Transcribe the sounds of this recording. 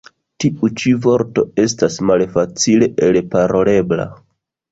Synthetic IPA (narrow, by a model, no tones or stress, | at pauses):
tiʔut͡ʃivo̞ɾto̞e̞s̬tasmalfat͡sile̞ʔelpaɾo̞le̞bla̰